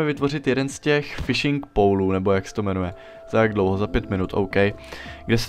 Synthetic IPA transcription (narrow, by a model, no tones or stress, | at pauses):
ɛvɪt̪vo̞rɪt̪jɛdɛnscɛxfɪʃɪŋkpowluːnɛbo̞jaksɛ̥t̪o̞mɛnujɛ | z̥ajaɡdlo̞wɦo̞zapjɛt̪mɪnut̪ʔowkɛjɡdɛsɛ